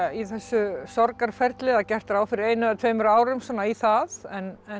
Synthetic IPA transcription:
iθɛsːʏsɔɾkaɾ̥fɛɾt̪lɪðacɛr̥t̪aɾaːwfɪɾɪɾeːjnʏɛt̪ʰveːmʏɾaːwɾʏmsɔːnaiθaðɛnɛ

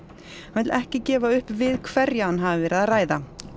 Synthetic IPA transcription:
hanvɪt̪lʔɛhcɪcɛːvaʏhpvɪðkʰvɛɾjaanɦaːvvɪɾʔaðraːjða̰

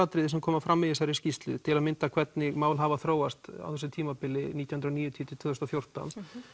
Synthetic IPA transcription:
at̪ɾɪðɪsɛmkʰɔːmafɾamːɪðɪs̬aɾɪ̥scist̪lʏ̰t̪ʰɪlamɪnt̪akʰvɛt̪nɪɣmaːwlɦavaθɾoːwast̪a̰wθɛsɪt̪ʰiːmapɪlɪnit̪jahʏnɾɔniːjʏt̪ʰiːt̪ʰɪ̥t̪ʰvʏːðʏst̪ɔfjowr̥t̪a̰n

